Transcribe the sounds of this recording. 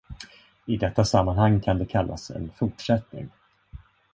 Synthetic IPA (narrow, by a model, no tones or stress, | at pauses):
ɪd̪ɛt̪ːasamːanhaŋːkʰand̪ɛkʰalːa̰sɛ̰nfʊʈʂɛt̪nɪ̰ŋ